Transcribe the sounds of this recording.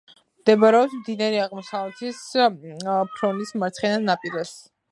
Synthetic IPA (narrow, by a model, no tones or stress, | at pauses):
md̪̥ɛbaɾɛɔpsmd̪inɛɾiaʁmɔsavlɛt̪ʰis | pʰɾɔnismaɾt̪sʰχɛnanapʼiɾɛs